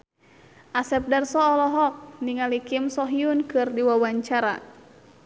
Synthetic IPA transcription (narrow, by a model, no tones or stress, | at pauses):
ʔasɛp̚darsɔːlɔɦɔk̚niŋalikimsɔɦiunkɨrdiwawaɲt͡ʃaɾa̰